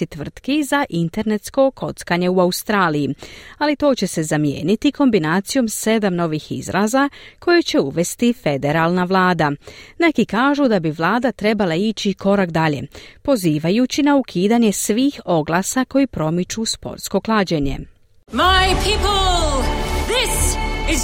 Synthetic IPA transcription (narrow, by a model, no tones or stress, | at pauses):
it̪ʋr̩t̪kizaʔint̪e̞ɾne̞t̪sko̞kʰo̞t̪skaɲe̞uaust̪ɾaːlijialit̪o̞ːt͡ɕe̞se̞zamjḛːnit̪ikʰo̞mbinaːt̪sijo̞mse̞d̪amno̞ʋixḭzɾʔaːzakʰo̞jet͡ɕe̞uʋe̞st̪ife̞d̪e̞ɾalˠnaʋlˠaːd̪ane̞kikaːʒud̪abiʋlˠaːd̪at̪ɾe̞balait͡ɕiko̞ɾakd̪aʎe̞̰po̞ziːʋajut͡ɕinaukʰiːd̪aɲe̞sʋiːxo̞ɡlˠasako̞jipɾo̞mit͡ʃuspo̞̰ɾt̪sko̞klˠaːd͡ʑe̞ɲe̞̰ | maɪpʰipəl | ðɪsɪz